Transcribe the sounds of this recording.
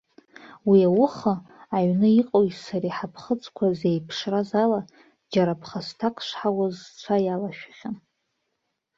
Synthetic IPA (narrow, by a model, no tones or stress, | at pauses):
wiawʊχaːɥnɨiqʼoitsaɾiħapʰχət͡sʼkʷʰazejpʰʂrazala | d͡ʒaɾapʰχastʰakʼʰʂʷħawazt͡ʃʷʰajalaʃᶣḁχʲan